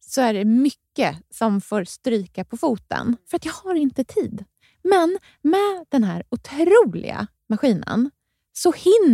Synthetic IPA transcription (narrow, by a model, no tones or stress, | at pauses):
sɔæɖɛmʏkːəsɔmfoːɾst̪ɾyːkapʰɔfuːt̪ə̰nfœɾat̪jɑːɡhaɾɪnt̪ət̪ʰiːd̪ | mɛn | mɛd̪̥ɛnɦæːɾʊt̪ʰɾuːlɪ̰ɡa̰ | maɧiːnə̰n | sɔhɪnː